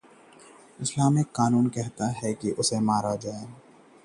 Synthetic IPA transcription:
ɪslaːmɪkkaːnuːnkɛɦt̪aɦɛkiʔʊsemaːɾad͡ʒaːe

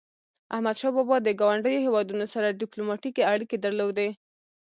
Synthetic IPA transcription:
ʔahmad̪ʃɑbɑbɑd̪əɡɑwaɳɖəjohewɑd̪unosaɾaɖiplomɑʈikeaɽiked̪aɾlowd̪e

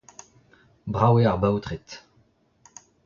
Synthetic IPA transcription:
bʁaweaʁbawt̪ʁet̪

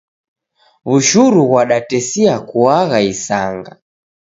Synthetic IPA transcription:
βuʃuɾuɣwaɗatɛsiakuaɣaisaŋɡa

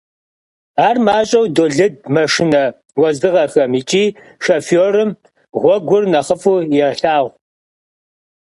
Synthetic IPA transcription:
aːrmaːɕʼɐwdoːɮɨd̚mɐʂɨnɐ | wɐzdɨʁɐxɐmiːt͡ʃʼiː | ʂɐfoːrɨm | ʁʷɔɡʷʊrnɐχəfuːjɛrɬaːʁʷ

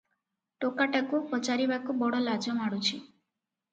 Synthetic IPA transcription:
ʈokaʈakupɔt͡ʃaɾibakubɔɽɔlad͡ʒɔmaɽut͡ʃʰi

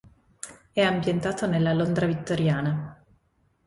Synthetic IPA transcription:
ɛampjent̪aːt̪onelːalond̪ɾavit̪ːoɾjaːna

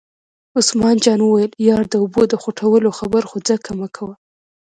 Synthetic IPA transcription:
ʊsmɑnd͡ʒɑnwəwajəljɑɽd̪əʊbod̪əxuʈʰawəloxabəɾxud͡zakʰamakʰawa

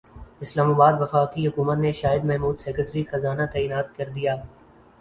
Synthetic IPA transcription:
ɪslaːmaːbaːd̪ʋɐfaːkiɦʊkuːmət̪neʃaːɪd̪mɛɦmuːd̪sɛːkəʈɾixɐzaːnat̪ɛːiːnaːt̪kɐɾd̪ijaː

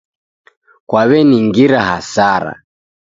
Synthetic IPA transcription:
kwaβɛniŋɡiɾaha̰saɾa̰

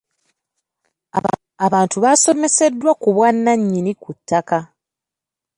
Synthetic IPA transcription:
aβaːntuβaso̞me̞se̞dːwakuβwanːaɲːinikutːaka

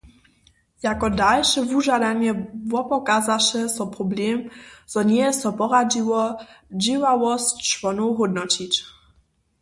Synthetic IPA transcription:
jakɔdalʃɛvuʒad̪aɲɛbwɔpɔkazaʃɛsɔpɾɔblʲɛmzɔɲɛsɔpɔɾad͡ʑiwɔd͡ʑiwawɔst͡ʃvɔnɔwɦɔd̪nɔt͡ɕit͡ɕ

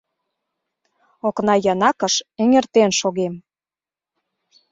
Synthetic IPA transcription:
oknɑjɑnɑkə̆ʃeŋert̪enʃoɣem

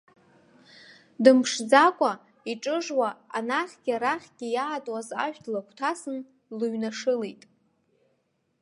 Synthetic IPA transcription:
dɨmʂd͡zakʷʼa | iʈ͡ʂʼɨʐwaanaχʲɡ̥ʲaɾaχʲɡ̥ʲijaːtʼwaza̰ʃᶣdʰlakʷʰtʰasɨn | lɨɥnaʂɨlejtʼ

